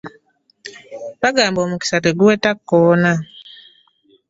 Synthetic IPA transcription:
baɡaːmbomuki̥sateɡuwetakːɔna

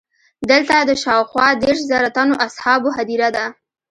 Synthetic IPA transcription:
d̪əlt̪ad̪əʃɑwxwɑd̪eɾʃzaɾat̪anoʔashɑboɦad̪iɾad̪a

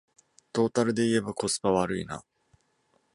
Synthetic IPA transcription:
t̪o̞ːt̪aɾɯ̟d̪e̞ie̞bako̞sɨ̥paβaɾɯ̟ina̰

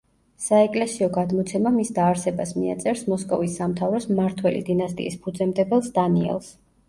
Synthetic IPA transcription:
saɛkʼlɛsiɔɡad̪mɔt̪sʰɛmamisd̪aːɾsɛbasmia̰t̪sʼɛɾsmɔskʼɔvisːamt̪ʰavɾɔsmaɾt̪ʰwɛlḭd̪inast̪ʼḭispʰud̪zɛmd̪ɛbɛlˠsd̪aniɛ̰lˠs

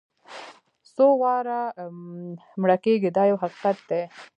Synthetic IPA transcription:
sowɑɾa | mɽakeɡid̪ɑjawɦaqi̥qat̪̚d̪e

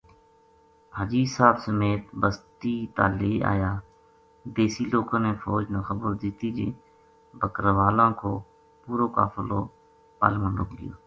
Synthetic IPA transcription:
baːd͡ʒiːsaːbsəmeːt̪bəst̪iːt̪aːleːa̰ːjaː | d̪eːsiːloːkãːneːfɔːd͡ʒnaːxəbəɾd̪ɪːt̪iːd͡ʒḛː | bəkɾʋaːlãːkoː | puːɾoːka̰ːfloː | pa̰ːlmənɾo̰ːkd̪ɪjo̰ː

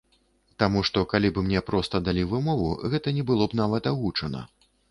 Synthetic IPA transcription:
t̪amuʂt̪ɔkalʲibɨmnʲɛpɾɔst̪ɐd̪alʲivɨmɔvuɣɛt̪ɐnʲɛbɨlˠɔbnavɐt̪aɣut͡ʂɐnɐ̰

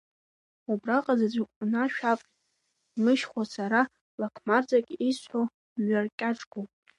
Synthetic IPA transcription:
ubraqʼazad͡zʷakʷʼnaʃᶣapʼ | mɨʃχʷasaɾa | lakʰmard͡zakʲʼisħʷo | ɥarkʲʼaʈ͡ʂʼɡopʼ

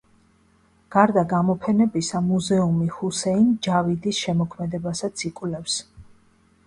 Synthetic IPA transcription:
ɡ̥aɾd̪aɡamɔpʰɛnɛbisamuzɛumihusɛind͡ʒavid̪isʃɛmɔkʰmɛd̪ɛbasat̪sʰikʼwlɛfs

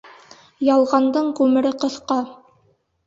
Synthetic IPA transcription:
jɑlˠʁɑnd̪ɤɴkʉmɘ̆ɾɘqɤ̆θqɑ

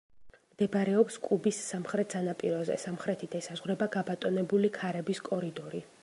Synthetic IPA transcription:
md̪̥ɛbaɾɛɔpskʼubisːamχɾɛt̪ʰzanapʼiɾɔzɛ̰samχɾɛt̪ʰid̪̥ɛsazʁwɾɛbaɡabat̪ʼɔnɛbulikʰaɾɛbiskʼɔɾid̪ɔɾi

